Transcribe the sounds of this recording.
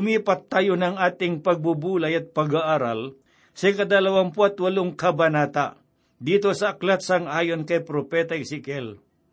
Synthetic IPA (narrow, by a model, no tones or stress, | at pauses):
tʊmiːpɐt̪ːajonɐŋaːt̪ɪŋpɐɡ̚bubuːlajɐt̪̚pɐɡaʔaɾal | sɐkɐd̪ɐlɐwampoɐt̪wɐlʊŋkɐbɐnaːt̪a̰ | d̪iːt̪osɐɐklat̪sɐŋaːjonkɐjpɾopɛt̪aɪsɪkɛl